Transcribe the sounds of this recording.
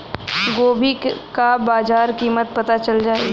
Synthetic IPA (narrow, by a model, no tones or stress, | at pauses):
ɡoːbʱikabaːd͡ʒaːɾkiːmət̪̚pɐt̪at͡ʃɐld͡ʒaːe